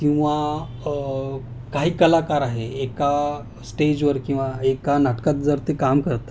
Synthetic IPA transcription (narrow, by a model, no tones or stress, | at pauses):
kĩw̃ʋa | kaɦiːkəlakaɾaɦeeka | sʈed͡ʑʋəɾkĩw̃ʋaekanaʈkat̪̚d͡zəɾt̪ekamkəɾt̪a